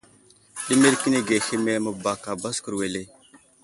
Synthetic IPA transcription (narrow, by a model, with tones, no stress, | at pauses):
ɗi˦me˦lki˦ne˦ɡe˨xi˦me˦mə˨ba˨ka˨ba˦skə˨ɾwe˨le˦